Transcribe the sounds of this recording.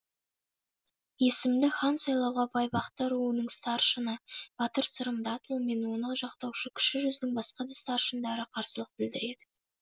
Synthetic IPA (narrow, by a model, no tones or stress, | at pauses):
je̞sɪmd̪ɪχɑnsɑjlˠɑwʁɑbɑjbɑqt̪ɑɾuənəɴst̪ɑrʃənəb̥ɑt̪əɾsəɾəmd̪ɑt̪ʰolˠme̞nwo̞nəʒɑqt̪ɑwʃəkʲʰʏ̥ʃɪʒʏzɪnɪŋbɑsqɑd̪ɑst̪ɑrʃənd̪ɑɾəqʰɑɾsəlˠəq̚bɪld̪ɪɾe̞d̪ɪ